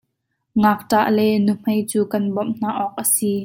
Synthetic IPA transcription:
ŋaːk̚taʔlɛnum̥ɐjt͡suːkɐnbɔmn̥aʔɔːk̚ʔəsi

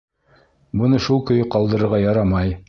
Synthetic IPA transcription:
bɤ̆nɤʃulˠkɵ̆jqɑlˠd̪ɤ̆ɾɤ̆ɾʁɑjɑɾɑmɑj

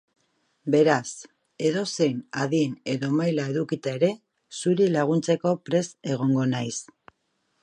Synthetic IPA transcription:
be̞ɾas | e̞ðo̞se̞jnaðiene̞ðo̞majlae̞ðukit̪ae̞ɾe̞ | suɾilaɣ̞unt͡se̞ko̞pɾe̞se̞ɣ̞o̞ŋɡo̞najs

